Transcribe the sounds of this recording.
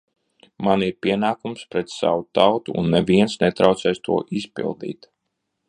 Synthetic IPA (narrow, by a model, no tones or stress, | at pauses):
maniɾpʲiɛnaːkumspɾɛt̪sa̰wut̪awt̪uṵnːɛviɛnsnɛt̪ɾawt̪sɛjst̪uɔʔispḭlˠd̪ḭːt̪